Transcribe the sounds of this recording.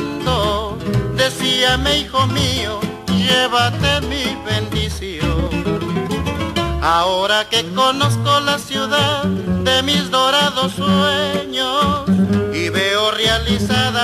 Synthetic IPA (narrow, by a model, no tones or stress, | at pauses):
nd̪o | d̪e̞siameixomio | ʒeβat̪emiβend̪isjoŋ | aoɾake̞konoskolasjuðaððemizðoɾaðosːweɲosiβeorjalisaða